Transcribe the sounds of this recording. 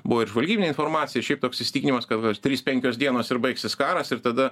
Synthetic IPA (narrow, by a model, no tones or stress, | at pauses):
bʊʋoɪɾʒʋɐlʲɡʲiːbʲɪnʲeːɪnfoːɾmɑːt̪sʲɪjɛʃʲɛɪp̚t̪oːksɪsʲɪt̪ʲiːkʲɪnʲimɐskɐt̪ɡt̪ʲɾʲiːspʲɛŋʲkʲoːsd̪ʲiɛnoːsɪɾbɐɪksʲɪskɑːɾɐsɪɾt̪ɐd̪ɐ